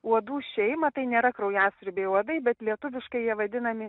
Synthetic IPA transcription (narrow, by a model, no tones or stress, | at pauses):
uɔd̪uːʃʲɛɪmɐt̪ɐɪnʲeːɾɐkɾɐʊjæːsʲɪɾʲbʲeːuɔd̪ɐɪbʲɛt̪lʲiɛt̪ʊʋʲɪʃkɐɪjiɛʋɐd̪ʲɪnɐmʲɪ